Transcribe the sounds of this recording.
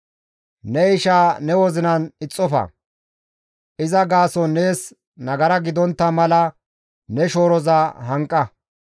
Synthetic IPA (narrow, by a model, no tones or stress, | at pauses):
nɛɪʃaːnɛwɔzɪnɐnɪt͡sʼːɔfɐ̰ | ʔɪzɐɡaːsɔne̞ːs | nɐɡɐɾɐɡɪd̪ɔnt̪ːɐmɐlɐ | nɛʃo̞ːɾɔzaɦɐŋkʼːɐ